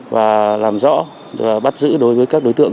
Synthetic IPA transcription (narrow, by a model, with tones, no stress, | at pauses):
vaː˨˩laː˨˩mzɔ̰˧˥ | vaː˨˩ɓa˦˥t̚zɨ̰˧˥ɗo˨˦jvəː˨˦jkaː˦˥k̚ɗo˨˦jt̪ɨ̰˧˨əŋ